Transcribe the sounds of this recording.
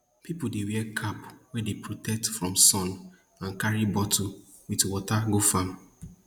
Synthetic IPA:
pipʊdewɛkʰapwɛdepɹotɛk̚tfɹɔ̃msɔ̃n | ãnkaɹibɔtʰo | witwɔtaɡofam

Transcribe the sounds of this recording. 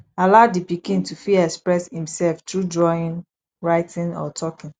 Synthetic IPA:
alaʊdipikĩntufilɛkspɹɛshĩmsɛlftɹudɹɔĩn | ɹaɪtɪ̃nɔ̰tʰɔkɪ̃n

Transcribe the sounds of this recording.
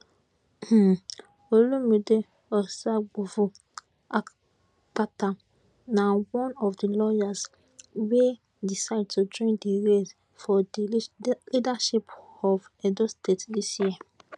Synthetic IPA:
h̩ | olũmĩde | ɔsaɡ͡bofu | a | k͡patʰa | nãwɔ̃nɔfdilɔjas | we | disaɪd̚tʰudɾĩndiɾes | fɔlidaʃipɔvɛdostʰetdisia

